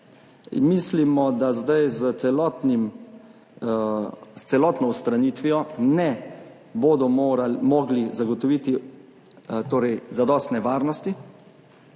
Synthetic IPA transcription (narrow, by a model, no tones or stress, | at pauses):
mislimɔd̪azd̪ajzət̪ɛlɔt̪nim | st̪sɛlɔːt̪nɔwst̪ɾaniːt̪ʋijɔnɛ | boːd̪ɔmɔɡlizaɡɔt̪ɔʋiːt̪i | t̪oːɾɛjzad̪ɔːst̪nɛʋaːɾnɔst̪i